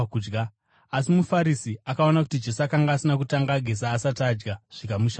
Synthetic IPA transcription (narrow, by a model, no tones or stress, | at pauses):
ud͡ʒɡa | asimufaɾisiakaonakutid͡ʒe̞suakaŋɡaːsinakutaŋɡaɡʱe̞saːsatad͡ʒɡaʐ̥ikamuʃa